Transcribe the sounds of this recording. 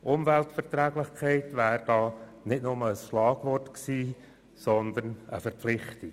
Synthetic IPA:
ʔʊmvæltfəɾt̪ɾæːɡlɪχkʰɛɪtvæːɾd̥ɑːnɪtnʊməəsʃlɑːɡ̥ʋɔrtksiː | sɔnd̪ənə̰fəɾplɪχti

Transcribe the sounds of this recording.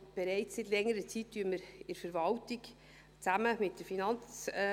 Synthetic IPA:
b̥ɛɾɛɪt͡ssitlɛŋːəɾət͡sit̚tyːənməɾɪɾfəɾvɑltɪk | t͡sæməmɪt̚d̥əɾfinɑnt͡s

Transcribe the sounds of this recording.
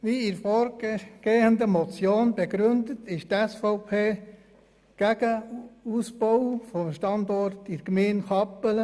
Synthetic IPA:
ʋiːɪɾfoːɾɡ̥eːəndəmɔt͡sjoːnb̥ɛɡɾʏndətʰɪʃtɛsfoʊpʰeː | ɡ̥æɡ̥əusb̥ɔwfɔmʃtɑndɔrtʰɪɾkmenxɑpələ

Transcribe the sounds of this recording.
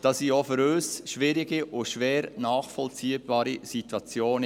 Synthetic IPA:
d̥ɑsiːofʏɾøsʃʋɪɾɪɡiʔʊʃʋeːɾnɑːχfɔlt͡siːəbɑːɾisit̪wɑt͡sjoːn

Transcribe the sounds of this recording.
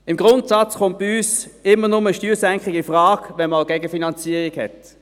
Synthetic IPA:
ɪmɡʁʊntsɑt͡sχʊnt̚b̥iyːsɪmːənʊməəʃtyːsɛŋkχiɡifʁaːɡ̥ʋɛnmaʊɡɛɡəfinɑnt͡siəʁiɡhɛ̰t

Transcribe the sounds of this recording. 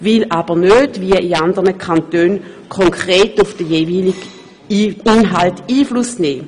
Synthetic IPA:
vɪlʔab̥ənødviəiandəʁnəkʰantøːn | kʰɔŋkʰʁ̥eːtʊfd̥əjeːviːliɡ | inɦaltiːflusnɛː

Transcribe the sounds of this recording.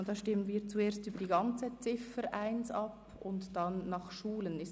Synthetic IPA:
dɑːʃtɪmənviːɐt͡sueːɐstyːbədiɡɑnt͡sət͡sɪfəɾʔaɪnsɑp | ʊntd̥ɑnːɑχʃuːlənɪs

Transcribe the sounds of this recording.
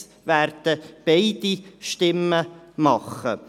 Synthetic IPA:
ʋærd̪̥əb̥eɪd̪̥iʃtɪmːəmɑχːə̰

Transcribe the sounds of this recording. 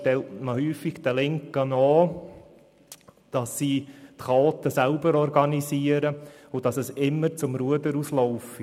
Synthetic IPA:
tɛltməhyːfiɡt̪ɛlɪŋkənɔː | d̥ɑsːiːtχɑɔt̪əsælbəɾɔɾɡɑnisiːəɾəʊdɑsəsɪmːəɾt͡sʊmɾuədəɾuslɔʊfi

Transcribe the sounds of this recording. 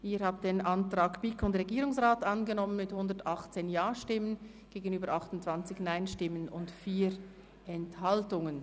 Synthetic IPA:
ʔiːhaːb̚d̥eːnʔantʁ̥aːkb̥ikʊntʁɛɡiːɾʊŋsʁaːtanɡənɔmənmɪthʊndətʔɑχt͡seːnjaːʃtɪmən | ɡ̥eːɡənyːbəɾʔɑχtʊn̩tt͡sv̥ant͡sɪçnaɪnʃtɪmənʊntfiːɾ | ʔɛnthaltʊŋən

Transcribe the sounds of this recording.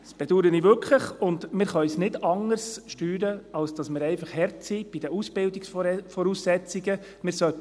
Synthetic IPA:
sb̥ɛd̥uɾənivʏɾkʰləχʊndmɪɾχœʏsnɪdɑŋəɾsʃtyːɾəɑlsd̥ɑsmɪɾɛɪfɑχhɛɾtsib̥id̥əusb̥ɪldiksfɔɾusːɛt͡siɡə | mɪɾsœt

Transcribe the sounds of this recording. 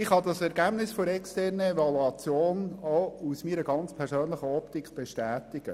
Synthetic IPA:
ɪχhɑd̪ɑsɛɾɡæb̥nɪsfoɾɛkstɛrnəevɑluɑt͡sjoːnousmiːɾəɡɑnt͡spʰɛɾzøːnləχəɔptikʰb̥eʃtæːtɪɡ̥ə

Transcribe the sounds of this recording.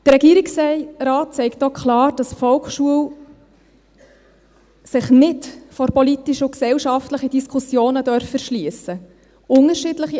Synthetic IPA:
d̪̥ərɾːɛɡiːɾiksɛɪɾɑːt̚t͡sɛɪkt̚ːɔkχlɑːɾd̥ɑsfɔlkʃuəw | sɪχnɪtfɔɾpɔlit̪ːiʃʊksɛwʃɑftləχəd̥iskʰusjoːnədœɾfəɾʃliəsə | ʊŋəɾʃɪdləχi

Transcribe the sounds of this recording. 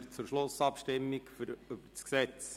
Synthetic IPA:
t͡sʊɾʃlʊsɑpʃtɪmːɪkfɾyb̥əɾsksɛt͡s

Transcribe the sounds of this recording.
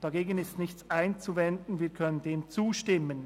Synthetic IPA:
d̥aɡeːɡənɪstnɪçt͡saɪnt͡suvɛndn̩viːɐkʰœnəndeːmt͡suːʃtɪmːən

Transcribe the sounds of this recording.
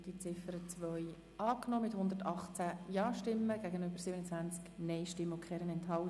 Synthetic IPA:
d̥it͡sɪfəɾət͡sʋœʏ | ɑːknɔːmɪthʊnd̪əɾtɑχt͡sæjɑːʃtɪmːəɡ̥æɡənøbəɾsibənət͡sʋænt͡sknɛɪʃtɪmːəʊkʰχɛːɾənɛnthɑl

